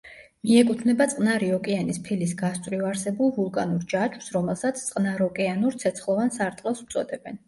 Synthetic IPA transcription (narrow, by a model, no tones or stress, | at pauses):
miɛkʼut̪ʰvnɛbat̪sʼqʼnaɾiɔkʼɛanispʰilisɡast̪ʼvɾivaɾsɛbulˠvulˠkʼanuɾd͡ʒat͡ʃʰwsɾɔmɛlˠsat̪sʰt̪sʼqʼnaɾɔkʼɛanuɾt̪sʰɛt̪sʰχlˠɔvansaɾt̪ʼqʼɛlˠsu̥t̪sʼɔd̪ɛbɛn